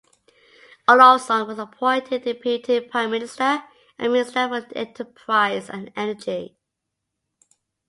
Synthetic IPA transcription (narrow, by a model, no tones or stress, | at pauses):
əlɔsɔ̃ŋwɒzəpʰɔ̃ɪ̃ntʰɪdɹipʰitʰɪd̚pʰɹ̥aɪ̃mɪ̃nɪstə | ʔə̃nmɪ̃nɪstəwɪzɛ̰̃ntʰəpʰɹ̥aɪzə̰̃nɛnəd͡ʒi